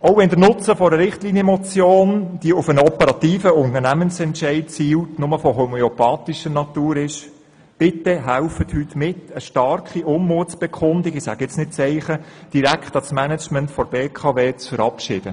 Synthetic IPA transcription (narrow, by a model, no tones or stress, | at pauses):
ɔʊvɛndəɾnʊt͡səfɔɾəɾɪχtliːnjəmɔt͡sjoːnd̥iəʊfənəɔpəɾɑt̪iːfəʊntəɾnæmənsɛntʃɛɪt̚t͡siːwtnʊməfɔɦomɛɔpɑːt̪iʃənɑt̪uːɾɪʃ | b̥ɪtːɛɦæʊfəthytmɪtəʃtɑrkχiʔʊmmuətb̥ɛkʰχʊndiɡɪsæ̰ɡɪt͡snɪt̚t͡sɛɪχəd̥iɾækχtɑsmænət͡ʃməntfɔɾb̥eːkʰɑveːt͡sfəɾɑpʃɪːd̥ə